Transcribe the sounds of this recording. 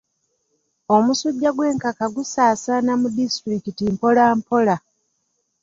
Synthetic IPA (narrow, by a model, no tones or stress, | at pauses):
omusuɟːaɡwe̞ːŋkakaɡusaːsaːnamudistɾikitimpo̞laːmpo̞la